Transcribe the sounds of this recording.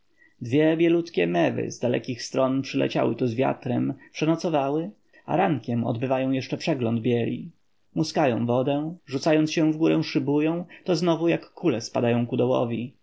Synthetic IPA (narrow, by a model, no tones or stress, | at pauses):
d̪vʲjɛbʲjɛlut̪kʲɛmɛvɘ̰zd̪alɛ̰kʲixst̪ɾɔnpʂɘlɛ̰t͡ɕa̰wɘ̰t̪uzvʲja̰t̪ɾɛmpʂɛnɔt̪sɔvawɘ | a̰ɾaŋkʲɛmɔ̰d̪bɘvajɔ̃w̃jɛʂt͡ʂɛpʂɛɡlɔnd̪bʲjɛlʲḭ | muskajɔ̰̃w̃vɔd̪ɛ̃ʐut̪sajɔnt̪sɕɛ̃vɡuɾɛ̃ʂɘbujɔ̃w̃t̪ɔznɔvujakːulɛspad̪ajɔ̃w̃kud̪ɔwɔ̰vʲi